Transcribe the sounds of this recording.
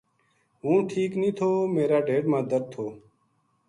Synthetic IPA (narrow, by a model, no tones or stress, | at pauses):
ɦũːʈʰiːknĩːt̪ʰoːmeːɾaːɖeːɖmãːd̪əɾʰoː